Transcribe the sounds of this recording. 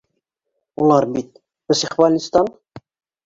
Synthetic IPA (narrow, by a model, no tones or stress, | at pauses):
ulˠɑɾbit̪̚ | bɘ̆siχvɑlʲist̪ɑn